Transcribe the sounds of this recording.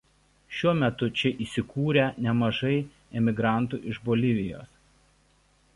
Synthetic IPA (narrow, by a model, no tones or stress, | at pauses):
ʃʲuɔmʲɛt̪ʊt͡ʃʲɛʔiːsʲɪkuːɾʲɛnʲɛmɐʒɐɪ | ɛmʲɪɡɾɑˑnt̪ṵːˑʔɪʒboːlʲɪʋʲɪjo̰ːs